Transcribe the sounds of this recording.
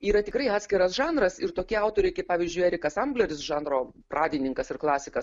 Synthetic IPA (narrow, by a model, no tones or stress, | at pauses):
iːɾɐt̪ʲɪkrɐɪɑːt̪ʲsʲkʲɪɾɐsʒɑːnɾɐsɪrt̪oːkʲiɐʊt̪oːɾʲɛɪkɐɪpɑːʋʲiːzʲd͡ʒʲʊɪæːɾʲɪkɐsɐmblʲɛɾʲɪsʒɑːnroː | prɑːd̪ʲɪnʲɪŋkɐsɪrklˠɑːsʲɪkɐs